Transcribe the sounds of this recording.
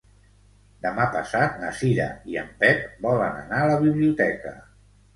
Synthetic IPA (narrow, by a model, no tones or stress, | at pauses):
d̪əmapəsat̪̚nə̰siɾə̰iə̰mpɛp̚bɔləna̰naələβiβliut̪ɛkə̰